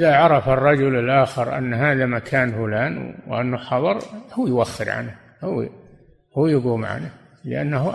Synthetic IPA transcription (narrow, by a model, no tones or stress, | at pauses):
ʔɪðaʕɑɾˤɑfɑrˤːɑd͡ʒʊlɪlʔaːxɪɾʔa̰nːɦaːðamakʰaːnfʊlaːnwʔa̰nːuħɑðˤɑɾˤhuːjwaxːɪɾʕa̰na | huː | huːjɪɡuːmʕa̰na | lɪ̰ʔa̰nːh